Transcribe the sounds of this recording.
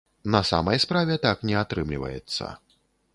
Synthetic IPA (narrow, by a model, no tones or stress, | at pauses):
nɐsa̰mɐjspɾavʲɛt̪aknʲɛat̪ɾɨmlʲivɐ̰jɛt̪sːɐ̰